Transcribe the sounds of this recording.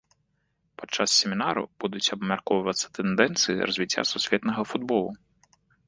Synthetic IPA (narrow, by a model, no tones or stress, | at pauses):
pɐ̥t͡ʂːassʲɛmʲinaɾṵb̥ud̪ut͡sʲɐbmʲarkɔvɐvɐt̪sːɐ̥t̪ɛnd̪ɛnt̪sɨjḭrɐzʲvʲit͡sʲːa̰susʲvʲɛt̪nɐɣɐfud̪bɔlˠu